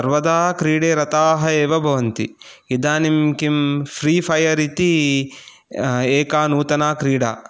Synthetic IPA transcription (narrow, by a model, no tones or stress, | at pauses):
ɐɾʋɐd̪aːkɾiːɽeːɾɐt̪aːɦɐeːʋɐbʱɐʋɐnt̪ḭ | id̪aːnimkimfʰɾiːpʰɐjɐɾit̪i | eːkaːnuːt̪ɐnaːkɾiːɽa̰ː